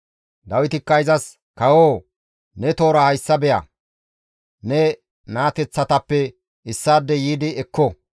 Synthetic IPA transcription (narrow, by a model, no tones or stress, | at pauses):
d̪ɐwɪt̪ɪkːɐjzɐs | kɐwoː | nɛt̪o̞ːɾɐhɐjsːɐbɛjɐ̰ | nɛ | naːt̪ɛt͡sːɐt̪ɐpːɛ | ɪsːaːd̪ːɛjiːd̪ɪɛkːɔ